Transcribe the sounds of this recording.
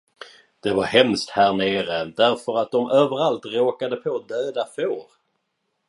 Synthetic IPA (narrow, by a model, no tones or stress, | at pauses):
d̪̥ɛvaɾhɛmst̪hæːɳeːɾəd̪æɾfœɾat̪̚d̪ɔmøːvəɾalt̪ɾoːkad̪əpʰod̪øːd̪afoːɾ